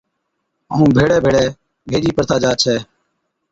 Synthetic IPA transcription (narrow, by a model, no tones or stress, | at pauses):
ɦə̰ːũːbʱeːɽɛːbʱeːɽɛː | bʱeːd͡ʒiːpəɾt̪ʰaːd͡ʒaːt͡ʃʰɛː